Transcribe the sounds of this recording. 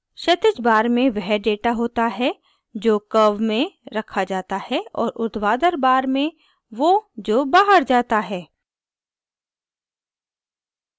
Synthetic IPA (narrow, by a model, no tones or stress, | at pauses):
ʃɐt̪ɪt͡ʃbaːɾmẽʋɛɦɖeːʈaɦoːt̪aɦɛ | d͡ʒoːkɐʋmẽɾɐkʰad͡ʒaːt̪ahɛɔ̰ːɾʔʊd̪ʋaːd̪əɾbaːɾmẽ | ʋod͡ʒoːbaːɦəɾd͡ʒaːt̪aɦɛː